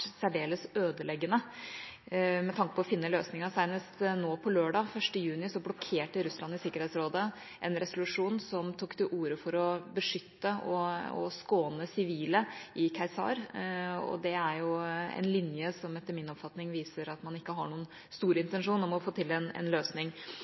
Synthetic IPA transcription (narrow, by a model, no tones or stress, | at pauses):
sæɖeːləsøːd̪əlɛɡːənə | mɛt̪ʰɑŋkəpʰɔːfɪnːəløːsnɪŋəsæɪnəst̪noːpʰɔløːɖɑːfœʂʈəjʉːnɪsɔblɔkʰeːʈəɾʉslɑnːɪsɪkːəɾɛːt̪sɾoːd̪ə | ʔɛnɾɛsʊlʉʂuːnsɔmt̪ʰuːkt̪ʰɪʔuːɾəfɔɾɔbəʂʏt̪ːəɔ̰ɔ̰skoːnəsɪʋiːləɪkʰæɪsɑ̰ɾɔ̰d̪ɛæɾjʊɛ̰nlɪnjəsɔmɛt̪ːəɾmɪnɔpfɑt̪nɪŋʋiːsəɾɑt̪mɑnɪkːəɦɑ̰ɳuːənst̪uːɾəɪnt̪ənʂuːnɔmɔfoːt̪ʰɪlɛnɛ̰nløːsnɪŋ